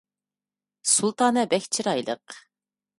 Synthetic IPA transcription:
sulˠt̪ɑːnɛbɛkʲt͡ʃʰiɾɑjlˠə̰q

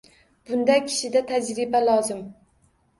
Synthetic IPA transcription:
b̥ʊnd̪ɛkʲʰi̥ʃɪd̪ɛt̪ʰæd͡ʒɾɪbɛlˠɑːzɪm

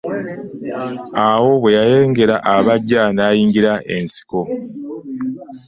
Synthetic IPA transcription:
awo̞βwe̞jaje̞ːŋɡe̞ɾaʔaβaɟːanaːjiːŋɡiɾaʔe̞nsi̥ko̞

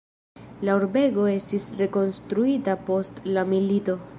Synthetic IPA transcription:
lauɾbe̞ɡo̞e̞stisɾe̞ko̞nstɾuitapo̞stlamilito̞

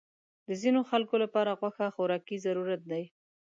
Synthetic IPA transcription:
d̪əzinoxalkolapɑɾaɣwaxaxoɾɑkizaɾuɾat̪̚d̪aj

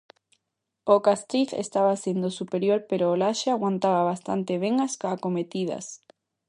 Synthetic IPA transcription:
okast̪ɾiθḛst̪aβasend̪osupeɾjoɾpeɾoːlaʃeaɣwant̪aβaβast̪a̰nt̪eβ̞eŋaskakomet̪iðɐ̰s

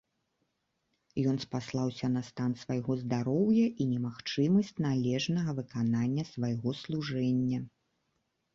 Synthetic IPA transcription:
jɔnspaslˠawsʲɐnɐst̪ansvajɣɔzd̪aɾɔwjɐʔinʲɛmaxt͡ʂɨmɐsʲt͡sʲnalʲɛʐnɐɣɐvɨkananʲːɐsvajɣɔslˠuʐɛnʲːɐ

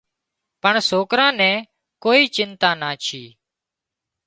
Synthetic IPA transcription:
pəɳsoːkɾãːnɛ̃ː | koːiːt͡ʃɪnt̪aːnaːt͡ʃʰiː

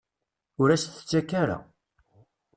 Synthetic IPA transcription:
ʊɾæst̪ə̥t͡sːækːaɾa̰

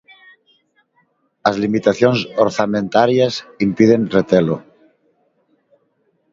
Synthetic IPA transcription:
azlimit̪aθjonsoɾθamẽnt̪aɾjasimpiðenret̪elo

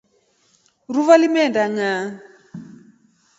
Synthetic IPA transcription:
ruvalimɛndaŋa

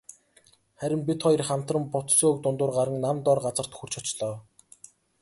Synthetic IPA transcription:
χæɾʲɪ̆mpʲit̪χɔj̆rχam̥t̪rə̆mpʊt̪soːɵk̚t̪ʊnt̪ʊːrɢaɾə̆ŋnamt̪ɔrɢat͡sə̆r̥t̪xur̥t͡ɕʰɔt͡ɕɮɔː

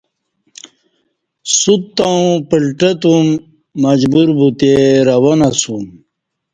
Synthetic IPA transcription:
sut̪ːãpilʈɐt̪umː | ɐd͡ʑbuɾbut̪eɾɐwonasum

